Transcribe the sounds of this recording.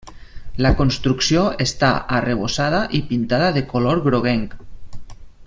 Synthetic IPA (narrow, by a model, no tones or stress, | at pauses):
lakonst̪ɾuksioest̪aʔareβ̞osað̞aʔipint̪aðaðekoloɾɣɾoɣ̞ɛŋk